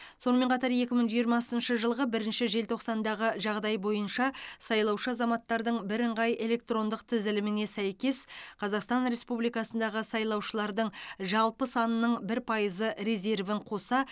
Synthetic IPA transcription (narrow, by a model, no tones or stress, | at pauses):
so̞nəme̞ɴqʰɑt̪ɑɾje̞kʲɪməɴʒijəɾmɑsənʃəʒəlˠʁəbɪɾɪnʃɪʒe̞lt̪ʰo̞qsɑnd̪ɑʁəʒɑʁd̪ɑjbo̞jənʃɑsɑjlˠɑwʃəɑzɑmɑt̪ːɑɾd̪əɴbɪɾəɴʁɑjʔe̞lʲe̞k̚t̪ro̞nd̪əqt̪ʰɪzɪlɪmɪne̞sæjkʲe̞sqʰɑzɑqst̪ɑnɾe̞spublijkɑsənd̪ɑʁəsɑjlˠɑwʃəlˠɑɾd̪əɴʒɑlˠpəsɑnənəɴbɪɾpʰɑjəzəɾeze̞rvəɴqʰo̞sɑ